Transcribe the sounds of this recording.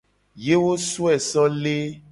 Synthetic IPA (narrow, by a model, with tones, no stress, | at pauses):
je˦wo˦su˦ɛ˨sɔ˦le˦